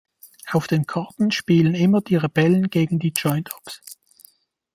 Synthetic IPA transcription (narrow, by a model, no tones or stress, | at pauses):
ʔaʊfd̥eːnkʰɑɐtn̩ʃpiːlənɪmɐd̥iːʁeb̥ɛlənɡ̥eːɡŋ̩diːd͡ʒɔʏntʰɔ̥ps